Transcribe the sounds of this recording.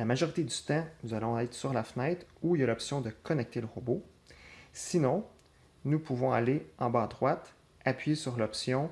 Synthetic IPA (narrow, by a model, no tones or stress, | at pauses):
lamaʒɔʁit̪ed̪yt̪ɑ̃nuzalɔ̃ɛːt̪χsyʁlafnɛɪt̪uiljalɔpsjɔ̃d̪əkʰɔnɛk̚t̪eləʁəbo | sinɔ̃ | nupʰuvɔ̃a̰leɑ̃bad̪ʁwat̪ | apɥesyʁlɔpsjɔ̃